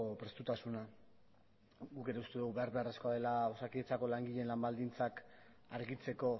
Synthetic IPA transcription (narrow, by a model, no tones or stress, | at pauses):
opɾe̞st̪ut̪asuna | ɡuke̞ɾe̞ust̪e̞ðuɣuβe̞aɾβe̞aresko̞aðe̞laosakiet͡sako̞laŋɡiʎe̞nlambald̪int͡sak | aɾɣit͡se̞ko̞